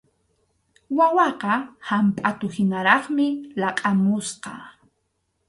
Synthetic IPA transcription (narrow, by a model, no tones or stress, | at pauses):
wawɑqɑhampʼat̪ʊhɪnaɾɑχmɪlɑqʼamʊsqɑ̰